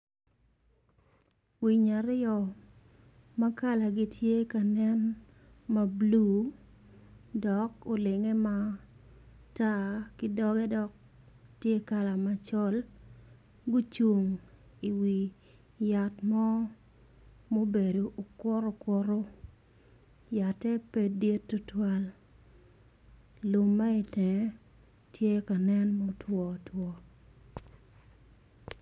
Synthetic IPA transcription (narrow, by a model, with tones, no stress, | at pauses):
wi˨ɲa˨ɾɪ˦ɔ˨ | ma˦ka˦la˨ɡɪ˦tʰje˦ka˨nɛ˦n | ma˨blu˨ | dɔ˨ko˨lɪ˨ŋɛ˦ma˦ | ta˦kɪ˦dɔ˦ɡɛ˦dɔ˨k̚ | tje˦ka˨la˨ma˨t͡ʃɔ˦l | ɡo˦t͡ʃu˨ŋ | i˨wi˨ | ja˨tmɔ˦ | mo˦be˨do˨ʔo˨ko˦ɾo˦ko˦ɾo˦ | ja˨tɛ˦pe˨de˦tːu˦twa˦l | lu˨mːa˦ɪ˨tɛ˨˦ | tʰje˦ka˨nɛ˦nmo˦twɔ˨twɔ˨